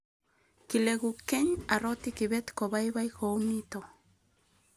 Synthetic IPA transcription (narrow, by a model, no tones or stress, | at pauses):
kileɡukeɲaɾot̪ikiβet̪kobajβajkownit̪o